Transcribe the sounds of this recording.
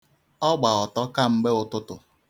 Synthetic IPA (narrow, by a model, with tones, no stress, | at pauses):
ɔ˦ɡ͡ba˨ɔ˨tɔ˦ka˦m̩˦ɡ͡be˦ʊ˨tʊ˦tʊ˨